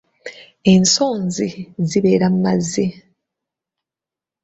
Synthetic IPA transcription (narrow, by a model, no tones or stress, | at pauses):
e̞nso̞ːnziziβe̞ːɾammazːi